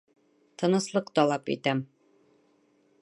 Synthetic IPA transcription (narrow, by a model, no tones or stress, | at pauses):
t̪ɤ̆nɤ̆slˠɤqt̪ɒlˠɑpḭt̪æm